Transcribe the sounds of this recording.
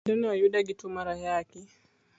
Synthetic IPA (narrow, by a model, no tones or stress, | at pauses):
dɔniwajuɗaɡitumaɾajakɛ